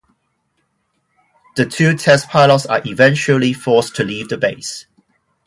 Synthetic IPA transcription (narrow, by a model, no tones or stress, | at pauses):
ðətʰʉːtʰɛspʰaɪlətsə̰ʔivɛ̃nt͡ʃəlifɔˑstʰuliːvðəbeɪs